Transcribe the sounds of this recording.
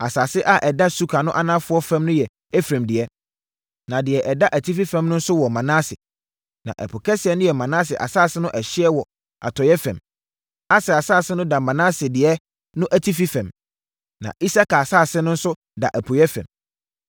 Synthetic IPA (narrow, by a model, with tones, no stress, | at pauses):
a˨saː˨sɪ˦ʔa˦ʔɛ˨da˦su˦kʰa˨nʊ̃˦ʔa˦nã˦fʊ˦ɔ˦fɛ̃˦mnʊ̃˦jɛ˨ | ɛ˦fɾã˨mdɪ˨ɛ˦ | nã˨dɪ˨ɛ˨ʔɛ˨da˦ʔæ˨tʰi˦fi˦fɛ̃˨mnʊ̃˦n̩˦sʊ˦wɔ˨mã˨nãː˦sɪ˨ | nã̰˨ʔæ̰˨pʰʊ˨kʰɛ˦sɪ˨ɛ˨nʊ̃˦jɛ˨mã˨nãː˦sɪ˨ʔa̰˨saː˦˨sɪ˦nʊ̃˦ʔɛ˨ɕɪ˦ɛ˦wɔ˨ | a̰˨tʰɔ˨jɛ˦fæ̰̃˨m | a˨sɛ˨a˨saː˦˨sɪ˦nʊ̃˦da˨mã˨nã˦sɪ˨dɪ˨ɛ˦ | nʊ̃˦ʔæ˨tʰi˦fi˦fɛ̃˨m | nã̰˨i˦sa˦kʰa˨saː˦˨sɪ˦nʊ̃˦n̩˦sʊ˦ | da̰˨ʔæ˨pʰʊ˨jɛ˦fæ̰̃˨m